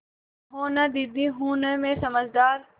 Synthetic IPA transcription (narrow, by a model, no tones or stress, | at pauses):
ɦoːnad̪id̪iɦuːnəmẽsɐməd͡ʒd̪aːɾ